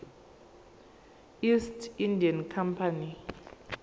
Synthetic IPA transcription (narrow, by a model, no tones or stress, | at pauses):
istʰindʱiankʰampʰani